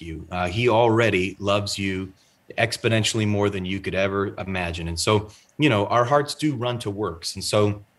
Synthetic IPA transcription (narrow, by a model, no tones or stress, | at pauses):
ʉil̩ˠɹɛɾilʌvzjɨ | ɛkspɨnɛ̃nʃl̩ˠimɔɹðɨ̃njɨkɨɾɛvə˞ɪmæd͡ʒɨ̃nɨ̃nsoʊ | jɨñoʊʔaʊə˞ɦɑɹtsd̥ɨɹʌ̃ntʰəwɜ˞ksn̩soʊ